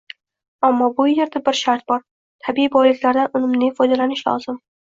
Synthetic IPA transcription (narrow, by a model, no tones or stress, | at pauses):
amːɒbʊje̞ɾd̪abɪɾʃaɾt̪̚bɒɾ | t̪ʰabiibɒjlɪkʲlaɾd̪anʊnɪmnɪŋʲfɒjd̪alanɪʃlɒ̰z̥ɪm